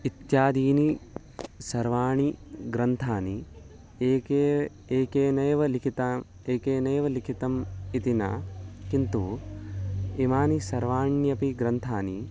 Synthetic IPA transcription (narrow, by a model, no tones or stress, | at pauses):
it̪jaːd̪iːni | sɐɾʋaːɳiɡɾɐnt̪ʰaːni | eːkeː | eːkeːnɐːʋɐlikʰit̪a | eːkeːneːʋɐlikʰit̪ɐmit̪ina̰kint̪u | imaːnisɐɾʋaːɳjɐpiɡɾɐnt̪ʰaːnḭ